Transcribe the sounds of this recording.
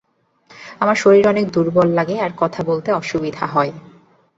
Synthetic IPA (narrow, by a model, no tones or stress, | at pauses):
amaɾʃoɾiɾɔnek̚d̪uɾbɔlːaɡeaɾkɔt̪ʰabolt̪eɔʃubid̪ʱaɦɔe